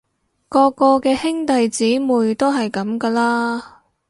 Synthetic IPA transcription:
kɔː˧kɔː˧kɛː˧hɪ˥ŋt̪ɐ˨jt͡siː˨˥muː˨˩jt̪o˥wɦɐ˨jkɐ˨˥mkɐː˧laː˥

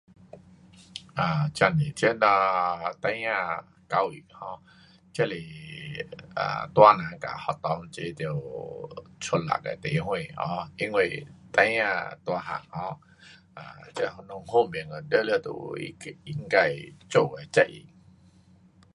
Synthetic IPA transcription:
ã˨˩t͡ɕja˧˩ne˨˩t͡ɕə˦na˧t̪a˧jã˧ | ka˧wḭ˨˩k̚hɔ̃˧˦ | t͡ɕjle˨˩ | a̰˨˩t̪wa˧nã˨˦ka̰˨˩hɔ˨˩t̪ɔ˧ŋt͡ɕe˧t̪i˧˨˩w | t͡sʰo˧nla̰˨˩k̚ḛ˨˩t̪e˨˧˦hw̃ẽ˧˨hɔ̰̃˧i˧˥ŋwe˨t̪a˧jã˧t̪wa˧ɦa̰˨˩ŋhɔ̃˧˦ | a̰˨t͡ɕə˦hnɔ˧˨ŋɦo˥˧˨mi˨˩əŋə˨˩də˦lə˧˩t̪ṵ˨ḭ˦˧i˧˩ŋ˦ka˧˩jt͡ɕo˥˧˨e˨˩t͡ɕa˦˧ʔʔḭ˧˨˩

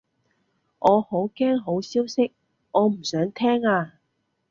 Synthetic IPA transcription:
ʔɔː˨˧ho˨˥wkɛː˥ŋɦo˨˥wsiː˥wsɪ˥k̚ | ʔɔː˨˧m̩˨˩sœː˨˥ŋt̪ʰɛː˥ŋaː˧

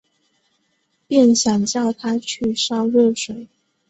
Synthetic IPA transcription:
pjɛ˥˩nɕjɑ˨˩ŋt͡ɕjɑ˥˩ʊt̪ʰa˥t͡ɕʰy˥˩ʂɑ˥ʊɻɤ˥˩ʂwe˨˩˦ɪ

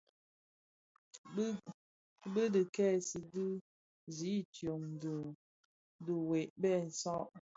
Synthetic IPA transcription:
bə˦dɨ˨kɛ˦˨si˨dɨ˦ | zi˨˦tjo˨ŋ˨də˨ | də˨we˨ʔbɛ˦˨n̩˨sɔ˦ʔ

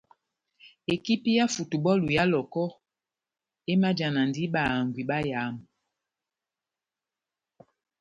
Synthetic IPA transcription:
e˨ki˦pi˦ja˦fu˨tu˨ɓɔ˦lu˨ja˦lɔ˨kɔ˦ | e˦ma˦d͡ʒa˨na˨ndi˦ɓa˨ŋɡwi˨ɓa˦ja˨˦m˨

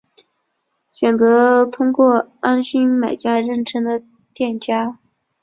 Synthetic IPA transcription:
ɕɥɛ˨˩nt͡sɤ˧˥t̪ʰʊ˥ŋkwɔ˥˩a˥nɕi˥ŋma˨˩ɪt͡ɕja˥ɻə˥˩nʈ͡ʂʰɤ˥ŋd̪ə˨ | t̪jɛ˥˩nt͡ɕja˥

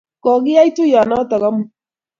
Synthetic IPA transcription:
kɔ˨ɣɪ˦a˦i˦to˦ja˨na˦ta˨ɣa˦mu˦

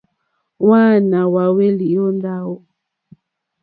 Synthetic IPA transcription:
waː˦na˨wa˨we˦li˨ɔ˦nda˦wɔ˦

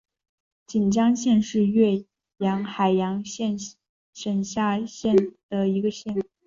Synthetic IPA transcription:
t͡ɕi˨˩nt͡ɕjɑ˥ŋɕjɛ˥˧nʂɻ̩˥˧ɥɛ˥˩ | jɑ˧˥ŋxa˨˩ɪjɑ˧˥ŋɛ˥˧ | ʂə˨˩nɕja˥˧ɕjɛ˥˩nd̪̥ə˩i˧˥ɡə˧ɕjɛ˥˩n

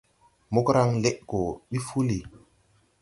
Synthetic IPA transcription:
mo˦kɾa˦ŋle˦ʔɡo˨ɓi˦fu˦li˨

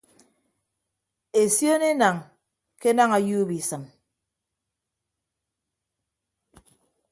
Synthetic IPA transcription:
e˨sjo˦ne˦na˨ŋ | ke˦na˦ŋa˨ju˦bi˨sɨ˨m

